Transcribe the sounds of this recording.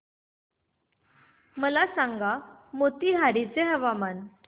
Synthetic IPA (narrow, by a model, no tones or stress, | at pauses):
məlasaŋɡamot̪iːɦaɽit͡seɦəʋaman